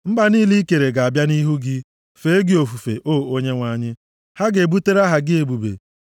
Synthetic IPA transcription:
m̩˦ba˨niː˦li˦ke˨ɾe˨ɡa˨a˨bja˦ni˦ɦu˦ɡɪ˦ | fe˨e˦ɡɪ˦˨o˨fu˨fḛ˨ʔoː˦˨o˦ɲe˦ŋʷa˨˦˨ɲɪ˦ | ha˦ɡe˨bu˦te˦ɾa˦ɦa˨ɡɪ˦e˨bu˨bḛ˨

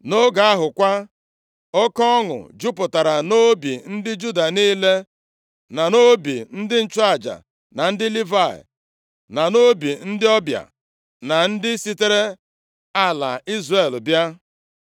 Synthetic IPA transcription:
no˦ɡa˨a˦ɦʊ˨kʷa˦ | ɔ˦kɔ˦ŋʊ̰˨d͡ʒu˦pʊ˨ta˨ɾa˨no˦bi˨n̩˦dɪ˦d͡ʒu˦da˨niː˦le˦ | na˨no˦bi˨n̩˦dɪ˦n̩˦˨t͡ʃa˦˨d͡ʒa̰˨ | na˨n̩˦dɪ˦li˦va̰˦˨ | na˨no˦bi˨n̩˦dɪ˦ɔ˦bja̰˨ | na˨n̩˦dɪ˦si˦te˦ɾe˦ | a˦la̰˨i˦zre˨lbja˦

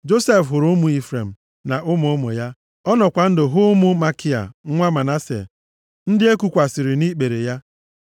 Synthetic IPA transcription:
d͡ʒo˦se˦fɦʊ˨ɾʊ˦mʊ˨i˦fɾe˨m̩˨ | na˨ʔʊ˦mʊ˨˦o˦mo̰˨ja˦ | ɔ˦nɔ˨kʷa˨n̩˦dɪ˨ɦʊ˦mʊ˦ma˦ki˦a̰˨˦ŋʷa˦ma˨na˦sḛ˨ | n̩˦dɪ˦e˦ku˨kʷa˨sɪ˨ɾɪ˨ni˦k͡pe˨ɾe˨ja˦

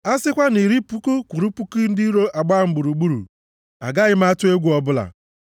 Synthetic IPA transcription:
a˦sɪ˦kʷa˦ni˨ɾi˦pu˦ku˦kʷu˨ɾu˦pu˦ki˦n̩˦di˦ɾo˦ʔa˨ɡ͡ba˦˨m̩˨˦ɡ͡bu˨ɾu˨ɡ͡bu˦ɾṵ˨ | a̰˨ɡa˦ɣɪ˦m˦a˦tʊ˦e˦ɡʷu˦ɔ˦bʊ˦la̰˨

